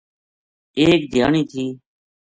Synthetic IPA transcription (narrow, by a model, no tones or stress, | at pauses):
eːk̚d̪ʱja̰ːɳiːt̪ʰiː